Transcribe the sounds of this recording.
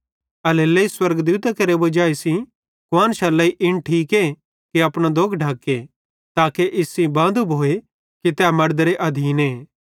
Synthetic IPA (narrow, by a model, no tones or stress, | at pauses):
ɐleːleiswɐɾɡd̪uːt̪akɐɾebod͡ʒaːesĩ | kʊʋãːnʃalːɐiʔɪñʈʰiːke | kiɐpɽ̃ad̪oːkʰɖʱaːke | t̪aːkeʔɪsĩbãːnd̪ubʱoːe | kit̪ɛamɐɽd̪ɾeʔɐd̪ʱiːneː